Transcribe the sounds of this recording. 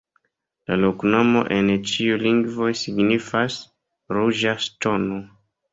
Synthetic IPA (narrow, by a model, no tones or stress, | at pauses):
lalokno̞mo̞̰ʔe̞nt͡ʃiuliŋɡvo̞jsiɡnifas | ɾuʒasto̞no